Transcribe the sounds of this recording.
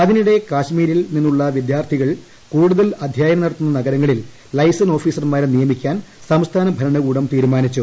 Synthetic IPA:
ɐðiniɽe̞kaːɕmiːɾilninːuɭːɐʋid̪jaːrt̪ʰiɣɐɭ | kuːɽuðɐlɐd̪ʱjaːjɐmnɐɽɐt̪ːunːɐnɐɡɐɾɐŋːɐɭilː | ɐjsɐno̞ːfiːsɐrmaːɾnijɐmikʲːaːnsɐmst̪ʰaːnɐbʱɐɾɐɳɐɣuːɽɐmt̪iːɾumaːnit͡ɕːu

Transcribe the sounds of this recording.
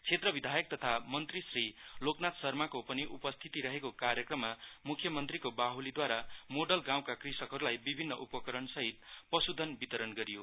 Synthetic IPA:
t͡sʰet̪rʌbid̪ʱajʌk̚t̪ʌt̪ʰamʌnt̪risriloknat̪sʌrmakopʌniʔupʌst̪ʰit̪iɾʌɦekokaɾjʌkrʌmːamukʰjʌmʌnt̪rikobaɦulid̪waɾamoɖʌlɡãw̃kakrisʌkɦʌɾulajbibʱinːʌʔupʌkʌɾʌnsʌɦit̪̚pʌsud̪ʱːʌnbit̪ʌɾʌnɡʌɾijo

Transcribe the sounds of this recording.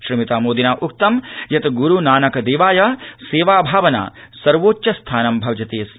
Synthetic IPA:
ʃɾimit̪aːmoːd̪inaːʔuk̚t̪ɐmjɐt̪ɡuɾunaːnɐkɐd̪eːʋaːjɐseːʋaːbʱaːʋɐna̰ːsɐɾʋoːtːʃɐst̪ʰaːnɐmbʱɐʋd͡ʒɐt̪eːs

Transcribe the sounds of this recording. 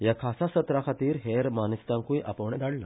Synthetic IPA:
jakʰasasət̪ɾakʰat̪iːɾɦeɾmanist̪ãŋkujʔa̰pəʋɳ̃ɛ̃d̪aɽla

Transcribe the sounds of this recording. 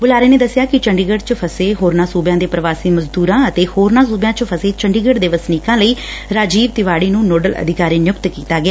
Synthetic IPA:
bʊlaːɾeːneːd̪əsːɪjaːkɪt͡ʃəɳɖiːɡəɖt͡ʃəpʰəseːɦoːɾnãːsuːbjãːd̪eːpɾəʋaːsiːməzd̪uːɾãːət̪eːhoːɾnãːsuːbjãːt͡ʃpʰəseːt͡ʃəɳɖiːɡəɖd̪eːʋəsniːkãːləiːɾaːd͡ʒiːʋt̪ɪʋaːɽiːnũːnoːɖəlʔə̰d̪ɪkaːɾiːnjʊkt̪kiːt̪aːɡɪaː

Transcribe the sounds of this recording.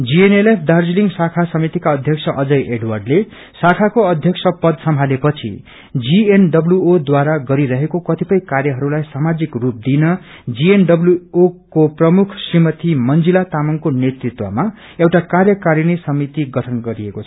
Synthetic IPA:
d͡zienelepʰd̪ard͡zliŋɡsakʰasʌmit̪ikaʌd̪ʱjʌksʰʌʔʌd͡zʌjʔeɖwarɖle | sakʰakoʌd̪ʱjʌksʰʌpʌd̪sʌmʱalepʌt͡sʰḭ | d͡zienɖʌbljuod̪waɾaɡʌɾiɾʌɦekokʌt̪ipʌjkarjʌɦʌɾulajsamad͡zikrup̚d̪inʌ | d͡zienɖʌbluokoprʌmukʰsrimʌt̪imʌnd͡zilat̪amaŋkonet̪rit̪wʌ̰ma | ewʈakarjʌkaɾinisʌmit̪iɡʌʈʰʌnɡʌɾiekot͡sʰʌ

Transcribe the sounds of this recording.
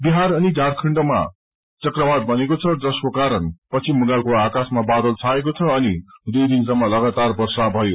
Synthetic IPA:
biɦaɾʌnidʱaɾkʰiɳɖʌma̰ | t͡sʌkrʌbad̪̚bʱʌnekot͡sʰʌd͡zʌskokaɾʌnpʌt͡sʰimuŋɡalkoakasmabad̪ʌlt͡sʰaekot͡sʰʌʌnid̪ujd̪insʌmːʌlʌɡat̪arbʌrsabʱʌjo

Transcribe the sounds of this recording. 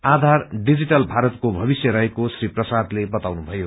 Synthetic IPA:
ad̪ʱarɖid͡ziʈʌlbʱaɾʌt̪kobʱʌbisjʌɾʌɦekosriprʌsad̪lebʌt̪awnubʱʌjo

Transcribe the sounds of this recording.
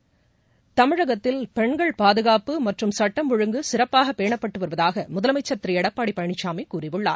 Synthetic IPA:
t̪ɐmɪɻɐɣɐt̪ːɪlpɛɳɡɐɭpaːðɯɣaːpɯmɐʈrɯmsɐʈːɐmʋɔɻɯŋɡɯsɪrɐpːaːɣɐpːeːɳɐpːɐʈːɯʋɐɾɯʋɐðaːɣɐmʊðɐlɐmɐɪt͡ʃːɐɾt̪ɪɾiɛɽɐpːaːɽipːɐɻɐɳɪt͡ʃːaːmɪkuːrɪʋɯɭːa̰ːɾ

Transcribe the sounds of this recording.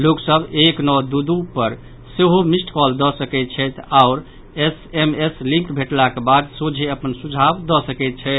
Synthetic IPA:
loksəbeknɔd̪ud̪upəɾ | seɦomisʈkɔld̪ɔsəkɛt̪̚t͡ʃʰɛt̪ʰaʊɾ | esemeslĩŋkbʱeʈlakebad̪sod͡ʒʱeəpənsud͡ʒʱabd̪ɔsəkɛt̪̚t͡ʃʰɛɪt̪ʰ

